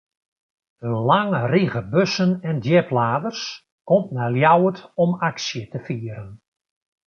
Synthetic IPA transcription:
ənlaŋəriɣəbøsənɛndjɛplaːdərs | kɔmt̚nɛljawətɔmaksjətəfiːəɾən

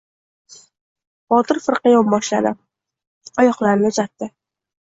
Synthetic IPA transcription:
b̥ɒt̪ɪɾfɨɾqɑjɒbɒʃla̰d̪ɪ | ɒjɒqlˠaɾnɪʊzat̪ːɪ

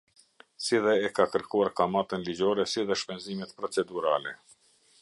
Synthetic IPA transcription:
siðɛːkakəɾkuaɾkamat̪ənlid͡ʑɔɾɛsiðɛʃpɛnzimɛt̪pɾɔt͡sɛd̪uɾalɛ

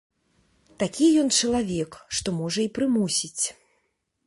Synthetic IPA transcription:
t̪akʲijɔnt͡ʂɐlˠavʲɛkʂt̪ɔmɔʐɐipɾɨmusʲit͡sʲ

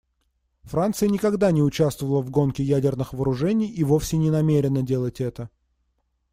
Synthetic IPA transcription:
fɾant̪sɨjənʲɪkɐɡd̪anʲɪʊt͡ɕast̪vəvəlˠəvɡo̞nkʲɪjædʲɪrnɨxvəːɾʊʐɛnʲɪjivo̞fsʲɪnʲɪnɐmʲeɾʲɪnədʲe̞lˠətʲɛt̪ə

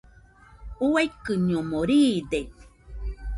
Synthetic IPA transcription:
uajkɨɲomoɾiːde

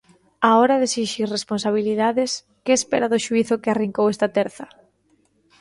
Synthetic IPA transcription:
aɔɾaðesiʃiresponsaβ̞iliðaðɪs | kɪespeɾaðʊʃuiθʊkɪariŋkowɛst̪ɐt̪ɛɾθɐ

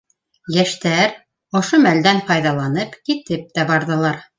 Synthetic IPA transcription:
jæʃt̪æɾ | ŏʃomæld̪ænfɑjðɑlˠɑnɤpkit̪ɘp̚t̪æbɑɾðɤ̆lˠɑɾ

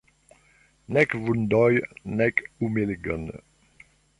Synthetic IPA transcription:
nɛkvund̪ɔjnɛkumeleɡə̰n

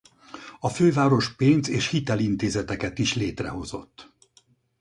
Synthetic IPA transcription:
ɒføːvaːɾo̞ʃpeːnzeːʃhit̪ɛlint̪eːzɛt̪ɛkɛt̪iʃleːt̪rɛ̰ɦo̞zo̞̰t̪ː

